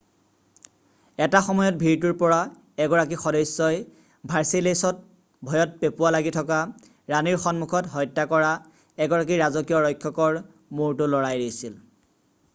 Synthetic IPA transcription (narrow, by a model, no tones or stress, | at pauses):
ɛtaxɔmɔjɔt̚bʱiɹtuɹpɔɹa | ɛɡɔɹak̬ixɔdɔjsːɔj | bʱaɹsilesɔt̚ | bʱɔjɔt̚pepualaɡitʰɔka | ɹaniɹxɔnmukʰɔtɦɔjtːakɔɹa | ɛɡɔɹak̬iɹazɔkijɔɹɔjkʰːɔkɔɹ | muɹtʊlɔɹajdisil